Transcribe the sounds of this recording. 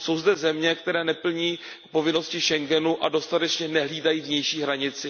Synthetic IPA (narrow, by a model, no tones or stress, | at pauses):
so̞wzdɛzɛmɲɛk̚t̪ɛɾɛːnɛpl̩ɲiː | po̞vɪno̞scɪʃɛŋɡɛnuʔado̞st̪at̪ɛt͡ʃɲɛnɛɦliːdajiːvɲɛjʃiːɦɾaɲɪt͡sɪ